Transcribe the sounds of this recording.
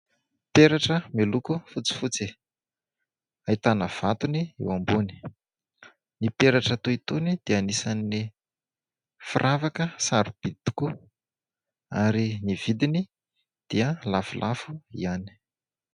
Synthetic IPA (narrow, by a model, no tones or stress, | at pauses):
peɾaʈ͡ʂəmelukufut͡si̥fut͡si | ait̪anəv̥at̪uniḛwambuni̥ | nipeɾaʈ͡ʂət̪uit̪unid̪̥eanisanii | firʔavakəsaɾub̥id̪i̥ku | aɾiniv̥id̪ini | d̪̥iəlafulʔafuiani̥